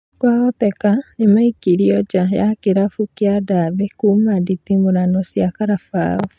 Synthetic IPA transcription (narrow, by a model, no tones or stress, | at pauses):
kwaɣɔtɛkaemaikiɾiɔd͡ʒajakeɾafukjadaβekumaditimoɾanɔsjakaɾafa̰ːɔ